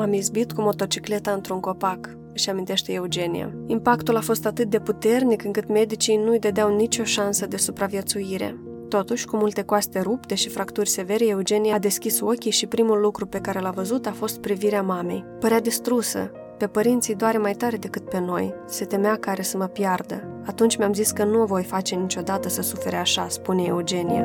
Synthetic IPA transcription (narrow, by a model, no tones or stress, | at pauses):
amizbit̪kumo̞t̪o̞t͡ʃikle̞t̪aɨnt̪ɾuŋko̞pak | ɨʃamint̪eʃt̪e̞eud͡ʒe̞nija̰impakt̪ulafo̞st̪at̪ɨt̪̚d̪e̞put̪e̞rnikɨŋkɨt̪me̞d̪it͡ʃijnujd̪ed̪eawnit͡ʃo̞ʃansəd̪e̞supɾavijet̪sujiɾe̞̰ | t̪o̞t̪uʃʲkumult̪e̞koast̪e̞ɾupt̪e̞ʃifɾakt̪urʲse̞ve̞ɾeeud͡ʒe̞nijad̪e̞skʲiso̞kʲijʃipɾimulːukɾupe̞kaɾe̞lavəzut̪afo̞st̪̚pɾiviɾeamame̞̰jpəɾead̪ist̪ɾusə̰ | pe̞pəɾint̪sijd̪oaɾe̞majt̪aɾe̞d̪e̞kɨt̪̚pe̞no̞̰j | se̞t̪e̞meakaɾe̞səməpjard̪ə | at̪unt͡ʃʲmeamziskənuovo̞jfat͡ʃe̞nit͡ʃʲo̞d̪at̪əsəsufe̞ɾeaʃaspuneeud͡ʒe̞nija̰